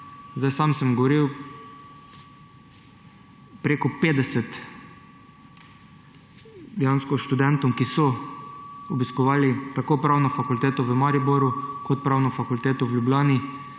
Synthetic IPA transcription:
zd̪ajsaːmsɛmɡɔʋɔɾiw | pɾeːkɔpeːd̪ɛsɛt̪ | d̪ɛjanskɔʃt̪ud̪ɛnt̪ɔmkisɔ | ɔbiskɔʋaːlit̪akoːpɾaːwnɔfakult̪eːt̪ɔʋəmaɾibɔɾukʰɔt̪̚pɾaːwnɔfakult̪eːt̪ɔwljublʲaːni

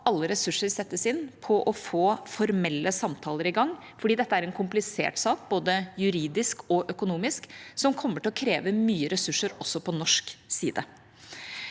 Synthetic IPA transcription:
ɑlːəɾɛsʉʂːəɾsɛt̪ːəsɪnːpʰɔʔɔfoːfɔɾmɛlːəsɑmt̪ʰɑːləɾɪɡɑŋː | fɔɖiːd̪ɛt̪ːəæɾɛnkʰʊmplɪsḛːʈsɑːkboːd̪əjʉɾiːd̪ɪskɔʔœkʊnuːmɪsksɔmkʰɔmːəʈʰɪlɔkʰɾeːʋəmyːəɾɛsʉʂːəɾɔsːɔpʰɔnɔʂksiːd̪ə

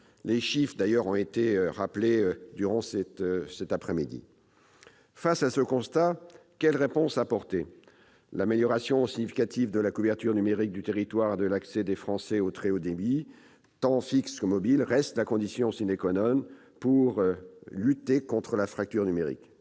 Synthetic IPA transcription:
leʃifχd̪ajœʁɔ̃et̪eʁapled̪yʁɑ̃sɛt̪sɛt̪apχɛmid̪ḭ | fasasəkɔ̃st̪akʲɛlʁepɔ̃sapɔʁt̪e | lameljɔʁasjɔ̃siɲifikat̪ivd̪əlakuvɛʁt̪yʁnymeʁik̚d̪yt̪eʁit̪waʁed̪əlaksɛd̪efχɑ̃sɛot̪χeod̪ebi | t̪ɑ̃fikskəmɔbilʁɛst̪lakɔ̃d̪isjɔ̃sinekɔnɔm | puʁlyt̪ekɔ̃t̪χəlafχak̚t̪yʁnymeʁḭk

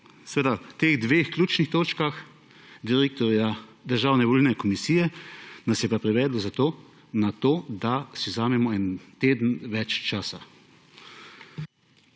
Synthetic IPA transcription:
sɛʋeːd̪at̪eːɣd̪ʋeːxklʲuːt͡ʃnixt̪oːt͡ʃkax | d̪iɾeːk̚t̪ɔɾjad̪əɾʒaːwnɛʋɔlinɛkɔmisiːjɛnasjɛpapɾiʋɛːd̪lɔzat̪oː | nat̪oːd̪asiwzaːmɛmɔɛnt̪eːd̪n̩ʋɛt͡ʃt͡ʃaːsa

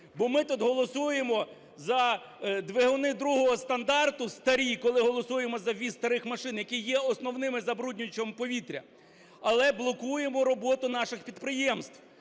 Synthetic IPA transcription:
bɔmɪt̪ud̪ɦɔlˠɔsujemɔ | zɐ | d̪ʋeɦʊnɪd̪ɾuɦɔɦɔst̪ɐnd̪ɑrt̪ʊst̪ɐɾʲikɔlˠɪɦɔlˠɔsujemɔzɐʋʲist̪ɐɾɪxmɐʃɪnjɐkijjɛɔsnɔwnɪmɪzɐbɾudʲnʲʊt͡ʃɐmpɔʋʲit̪ɾʲɐ̰ | ɐlˠɛblˠɔkujemɔɾɔbɔt̪ʊnɑʃɪxpʲid̪pɾɪjɛmst̪w

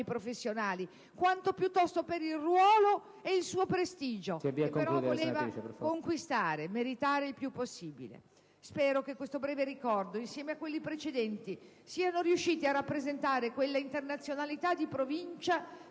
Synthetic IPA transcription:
jpɾofesːjonaːli | kwant̪opjut̪ːɔst̪opeɾilrwɔːlo | eilsuːopɾest̪iːd͡ʒosbikeɾɔvoleːvaffkoŋkwist̪aːɾemeɾit̪aːɾeilpjupːosːiːbḭlḛ | spɛːɾok̟ekwest̪obɾɛːveɾikɔrd̪oinsjɛːmeakːwelːipɾet͡ʃed̪ɛnt̪i | siːanoɾiuʃːiːt̪iarːapːɾezent̪aːɾekwelːaint̪ernat̪sːjonalit̪ad̪ːipɾovint͡ʃa

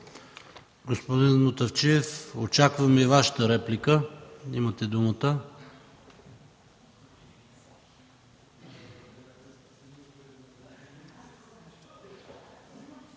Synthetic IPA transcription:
ɡospod̪inmot̪ɐft͡ʃiɛfot͡ʃakvəmɛivaʃə̥t̪əɾɛplikəimət̪ɛd̪umət̪ə

